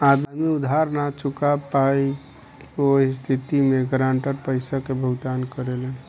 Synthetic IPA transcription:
ad̪miud̪ʱɦaɾnat͡ʃukapaj | oist̪ʰit̪imeɡɾaɳʈəɾpəɪsakebʱəɡd̪ankəɾelen

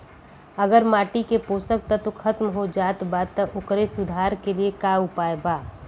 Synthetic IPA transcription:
ɐɡəɾmaːʈikepoːsək̚t̪ɐt̪okʰɐt̪mɦod͡ʒaːt̪baːt̪ːɐʔʊkɾesʊd̪ʱaːɾkeliekaːʊpaːebaː

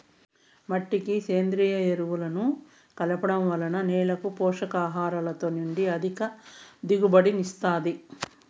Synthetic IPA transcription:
mɐʈːikiseːnd̪ɾiːjɐeɾuʋulɐnu | kɐlɐpɐɽɐmʋɐlɐnɐnɛːlɐkupɔːʂɐkaːɦaːɾɐlɐt̪o̞ːniɳɖiɐd̪ʱikɐd̪iɡubɐɽinist̪aːd̪i

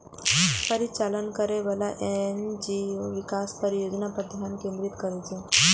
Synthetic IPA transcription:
pəɾit͡salənkəɾeʋəlaʔend͡ʑioʋikaspəɾijod͡ʒnapəd̪ʱjamkẽnd̪ɾit̪kəɾajt̪e

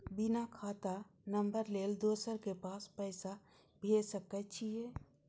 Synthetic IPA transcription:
bɪnakʰaːt̪anəmbəɾleːld̪oːsəɾkepaːspəɪsa | bʱeːsəkət͡ʃʰie

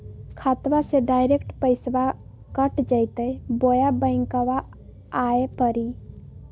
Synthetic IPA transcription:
kʰat̪ʋaseɖajɾekʈpəɪsba | kəʈd͡ʒəɪt̪əjbojabə̃ɪ̃ŋkəʋaː | epəɾi

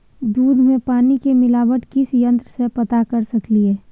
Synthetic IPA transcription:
d̪uːd̪ʱmẽpaːnikemɪlaːʋəʈkɪsjə̃nt̪ɾəsepɐt̪akəɾsɐkliɦɛː

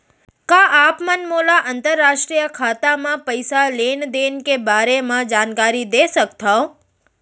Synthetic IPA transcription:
kaʔapmənmolaʔənt̪əɾːaʃʈɾijəkʰat̪amãpəjsalend̪enkebaɾemãd͡ʒankaɾid̪esəkt̪ʰao

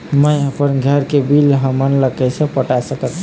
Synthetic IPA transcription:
məjəpənɡʱəɾkebilɦəmənləkɛsẽpəʈasəkət̪

